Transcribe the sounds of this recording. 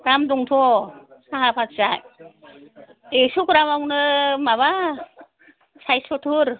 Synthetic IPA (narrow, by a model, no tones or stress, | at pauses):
ɾamduŋtʰɔsaɦapʰatzaj | esukɾamawnɯmaβa | sajsɔtʰuɾ